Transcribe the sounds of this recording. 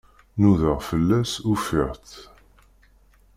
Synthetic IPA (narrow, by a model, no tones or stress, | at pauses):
nuðəʁfəlːæsufiʁt̪